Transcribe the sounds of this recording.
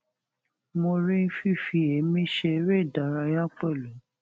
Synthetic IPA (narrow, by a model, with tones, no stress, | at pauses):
mõ˧ɾĩ˦fi˦˨fi˧e˨˦mĩ˦ʃe˧˦ɾe˦˨da˨ɾa˧jã˦k͡pɛ˦˨lu˨˦